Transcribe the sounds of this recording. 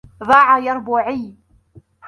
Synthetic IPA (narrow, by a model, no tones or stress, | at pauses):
ðˤɑːʕajɑɾˤbuːʕi